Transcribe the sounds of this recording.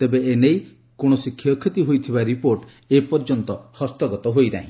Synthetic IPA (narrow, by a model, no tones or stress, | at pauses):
t̪ebeenej | koɽ̃ɔsikʰːjɔkʰit̪iɦojt̪ʰibaɾipoɾʈ | epɔɾd͡ʒɔnt̪ɔhɔst̪ɔɡɔt̪ɔɦojda̰ɦĩ